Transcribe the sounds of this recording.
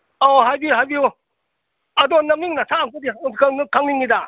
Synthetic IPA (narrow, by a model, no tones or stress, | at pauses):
oɦajbiɦajbiu | ɐdɔnɐmiŋnatʰaaŋkɔdikakʰaŋniŋida